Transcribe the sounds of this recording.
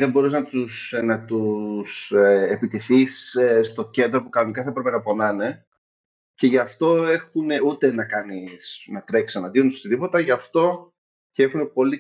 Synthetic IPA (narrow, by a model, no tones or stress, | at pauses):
ðembo̞ɾuznɐt̪usnɐt̪useepit̪eθisst̪o̞ce̞nd̪ɾo̞pukɐnonikɐθɐepɾe̞penɐpo̞nɐne̞ | ce̞ʝɐft̪o̞e̞xune̞ut̪e̞nɐkɐnisnɐt̪ɾe̞ksɐnɐðiunsot̪iðipo̞t̪ɐʝɐft̪o̞ | cee̞xune̞po̞li